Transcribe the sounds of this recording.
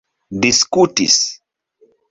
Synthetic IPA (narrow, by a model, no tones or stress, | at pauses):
diskutḭs